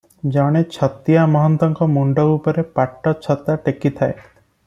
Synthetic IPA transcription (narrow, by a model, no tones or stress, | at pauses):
d͡ʒawɽ̃et͡ʃʰɔt̪ijamɔɦɔnt̪ɔŋkɔmuɳɖɔupɔɾepaʈːɔt͡ʃʰɔt̪aʈekit̪ʰae